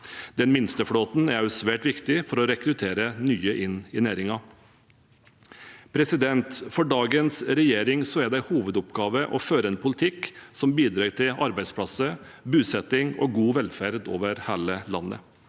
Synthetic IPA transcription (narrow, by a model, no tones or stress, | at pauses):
d̪̥ɛnmɪnst̪əfɽoːt̪n̩æɾɑʊsʋæːʈʋɪkt̪ɪfɔɾɔɾɛkɾʉt̪ʰeːɾənyːəʔɪnɪnæːɾɪŋɑ | pʰɾɛsɪd̪ɛnt̪fɔɖɑːɡənsɾɛjeːɾɪŋsɔæɖ̪æɪhuːʋəd̪ʊpɡɑːʋəʔɔføːɾəɛːnpʰʊlɪt̪ʰɪksɔmbiːd̪ɾɑːʈ̪ʰɪlɑɾbæɪd̪spʰlɑsə | bʉːsɛt̪ɪŋɔ̰ɡuːʋɛlfæɾd̪o̰ːʋəɾhæːləlɑ̰nːə̰